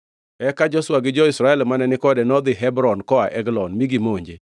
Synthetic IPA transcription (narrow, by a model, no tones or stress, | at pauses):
ɛkad͡ʒɔswaɡɪd͡ʒɔɪsɾaɛlmanɛnɪkɔdɛnɔd̪ɪɦɛbɾɔnkɔaʔɛɡlɔnmiɡimoɲd͡ʒe